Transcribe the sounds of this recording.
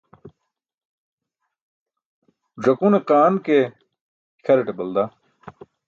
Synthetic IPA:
ʐɐkuneqaːnke | kʰɐɾeʈebɐld̪a

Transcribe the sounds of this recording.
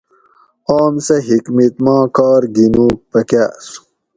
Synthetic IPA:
aːmsɐɦikmit̪mɑ̃ːkɑːɾɡinũːpɐkaːsu̥

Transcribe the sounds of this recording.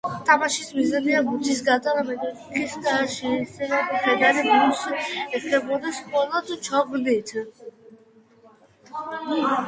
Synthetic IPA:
t̪ʼamaʃismizaniaɡut̪ʰis̬ɡat̪ʼaɾamɛd̪ɛ | kʰisd̪aʃɛsɛɾab̪χɛd̪aɾib̪ɾusɛkʰɛbɔd̪askʼɔlˠɔd̪t͡ʃʰɔbnit̪ʰ

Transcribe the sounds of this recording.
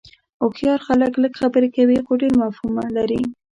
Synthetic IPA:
ʊxjɑɾxaləkləkxabəɾekawixoɖeɾmafumalaɾi

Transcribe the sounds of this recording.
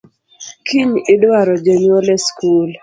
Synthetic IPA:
kʰiɲɪdwaɾɔd͡ʒenolɛskul

